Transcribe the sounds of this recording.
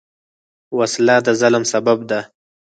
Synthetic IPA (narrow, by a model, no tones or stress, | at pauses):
waslɑd̪əzalmsabab̚d̪a